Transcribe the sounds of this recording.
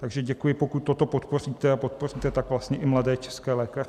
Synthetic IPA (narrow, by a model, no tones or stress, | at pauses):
t̪aɡʒɛɟɛkujɪpo̞kut̪̚ːo̞t̪o̞pot̪po̞riːt̪ɛapo̞t̪̚po̞riːt̪ɛt̪akvlast̪ɲɛʔɪmladɛːt͡ʃɛ̥skɛːlɛːkarɪ